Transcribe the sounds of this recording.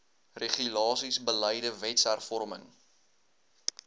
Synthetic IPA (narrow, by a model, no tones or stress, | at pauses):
reχylɑːsisbələjdəvɛtsærfɔrməŋ